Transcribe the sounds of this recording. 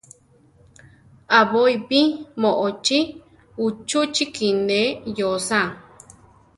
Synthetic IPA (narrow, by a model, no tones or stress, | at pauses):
aβoipimoʔot͡ʃi | ut͡ʃut͡ʃikinẽjosã